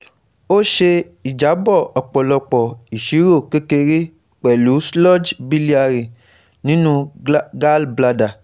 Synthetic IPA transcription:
o˦ʃe˧ | i˨d͡ʒa˨˦bɔ˦˨ɔ˨k͡pɔ˨lɔ˧k͡pɔ˨i˨ʃi˨˦ɾo˦˨ke˦ke˧ɾi˦ | k͡pɛ˨lu˨˦slɔ˦d͡ʒbi˦li˦a˧ɾi˨ | nĩ˦nũ˦ɡa˦lbla˧da˨

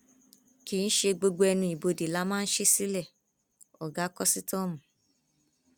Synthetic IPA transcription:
ki˨˦ñ̩˦ʃe˧ɡ͡bo˧ɡ͡bo˧ɛ˧nũ˧i˨bo˧di˨la˦mãː˦n̩˦ʃe˦si˦lɛ˦˨ | ɔ˨ɡa˨˦kɔ˦si˦tɔ̃˦˨mũ˨

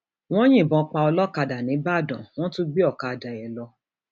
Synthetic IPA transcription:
w̃ɔ̃˦j̃ĩ˦˨bɔ̃˧˦k͡pa˧ɔ˧lɔ˦ka˧da˨nĩ˨˦ba˦˨dɔ̃˨w̃ɔ̃˦tu˦ɡ͡bi˦ɔ˦˨ka˧a˧da˨jɛ˨lɔ˧

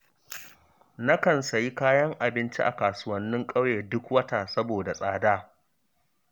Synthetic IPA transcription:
na˦kɐ˨nsɐ˨ji˦kaː˦jɐ˦ŋʔa˨bɪ˦nt͡ʃi˦ʔa̰˨kaː˨sʊ˦wɐ˦nːɪ˦ŋkʼɐ˦wjeː˨dʊ˦kwɐ˦taː˨sɐ˦boː˨da˨sʼaː˦daː˦

